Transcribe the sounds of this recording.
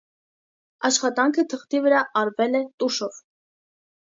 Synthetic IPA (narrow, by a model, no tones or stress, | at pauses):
ɑʃχɑt̪ɑŋkʰət̪ʰəχt̪ivəɾɑʔɑɾvɛlɛt̪uʃɔv